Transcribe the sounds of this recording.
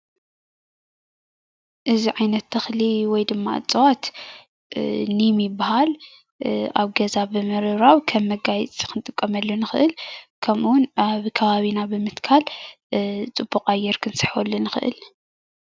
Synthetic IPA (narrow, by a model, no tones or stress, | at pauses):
ʔɨziʕajnɐt̪ʰːɐxliwɔjd̪ɨmːa̰t͡sʼɨwat̪ | nimjɪbːahal | aβɡɐzabɨmɐɾɨβɾawkʰɐmːɐɡajt͡sʼkʰɨnt̪ʼɨkʼːɐmɐlːonɨxɨʔɨlkʰɐmʔuwʊnaβkʰɐβaβinabɨmɨt̪kʰal | t͡sʼɨbːuqʼajːɛɾkʰɨnsɨ̥ħwɔlːunɨxɨʔɨ̰l